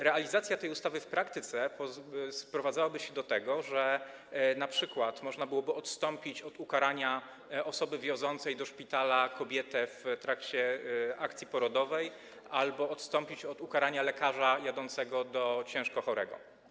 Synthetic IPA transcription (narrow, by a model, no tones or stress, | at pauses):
ɾɛalʲizat̪sʲjat̪ɛjust̪avɘfpɾakt̪ɘt̪sɛpɔspɾɔvad̪zawabɘɕɛd̪ɔt̪ɛɡɔʐɛ | napʂɘkwat̪mɔʐnabɘwɔbɘɔt̪st̪ɔmpʲit͡ɕɔd̪ukaɾaɲa | ɔsɔbɘvʲjɔ̃zɔnt̪sɛjd̪ɔʂpʲit̪alakɔbʲjɛt̪ɛft̪ɾakt͡ɕɛakt̪sʲjipɔɾɔd̪ɔvɛj | albɔɔt̪st̪ɔmpʲit͡ɕɔd̪ukaɾaɲalɛkaʐajad̪ɔnt̪sɛɡɔd̪ɔt͡ɕɛ̃w̃ʂkɔxɔɾɛ̰ɡɔ̰